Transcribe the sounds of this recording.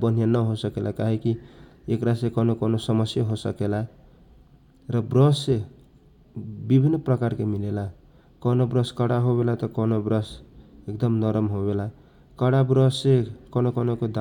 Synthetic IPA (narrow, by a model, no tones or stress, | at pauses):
bʌn̤janʌɦosʌkelʔakaɦikiekɾasekʌnokʌnosʌmʌsjʌɦosʌkela | rʌbrʌse | bibʱinːʌprʌkarkemilela | kʌnobrʌskʌɽaɦobelat̪ʌkʌnobrʌsekd̪ʌmnʌɾʌmɦobela | kʌɽabrʌsekʌnokʌnokod̪